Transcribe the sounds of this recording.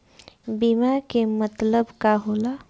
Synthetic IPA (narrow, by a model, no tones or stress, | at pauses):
bimakemət̪ləbkaɦoːlaː